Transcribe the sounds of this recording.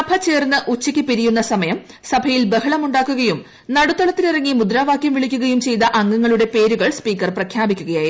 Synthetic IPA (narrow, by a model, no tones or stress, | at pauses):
ɐbʱɐt͡ɕe̞ːrnːɨʔut͡ɕːikʲːɨpiɾijunːɐsɐmɐjɐm | sɐbʱɐjilbeɦɐɭɐmuɳɖaːkːuɣɐjum | nɐɽut̪ːoɭɐt̪ːilirɐŋːimud̪ɾaːʋaːkjɐmʋiɭikʲːuɣɐjumt͡ɕe̞jt̪ɐʔɐŋːɐŋːɐɭuɽe̞pe̞ːɾuɣɐɭspiːkːɐrprɐkʰjaːbikʲːuɣɐjaːji